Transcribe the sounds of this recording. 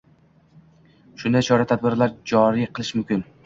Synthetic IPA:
ʃʊnd̪ajt͡ʃʰɒɾat̪ʰad̪̚bɪɾlaɾd͡ʒɒɾijqʰɨlˠɪʃmʊmkʲɪn

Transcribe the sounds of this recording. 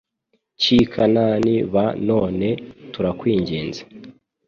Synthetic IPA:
cikʰananiβano̞ːne̞tuɾakwiːɲɟiːnzḁ

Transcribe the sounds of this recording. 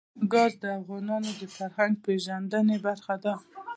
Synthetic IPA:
ɡɑzd̪əafɣɑnɑnod̪əfaɾhaŋɡ̚peʒand̪ənebaɾxad̪a

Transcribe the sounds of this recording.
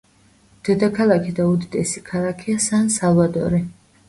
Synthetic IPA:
d̪̥ɛd̪akʰalˠakʰid̪aud̪id̪ɛsikʰalˠakʰiasansalˠvat̪ʼɔ̰ɾi

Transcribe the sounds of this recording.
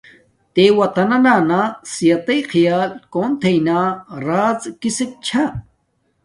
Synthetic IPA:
t̪ewɐt̪ɐnɐnaːnasijɐt̪ɐjxʰijaːlkoːnt̪ʰejnaːɾaːzkisek̚t͡ɕʰa

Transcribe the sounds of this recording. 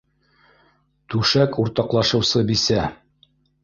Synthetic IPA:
t̪ʉʃækʰuɾt̪ɑqlˠɑʃɤ̆wsɤbisæ

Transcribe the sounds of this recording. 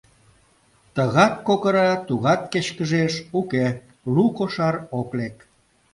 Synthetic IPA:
t̪əɣɑt̪̚kokəɾɑt̪uɣɑt̪̚ket͡ɕkəʒeʃuke | lukoʃɑɾoklek

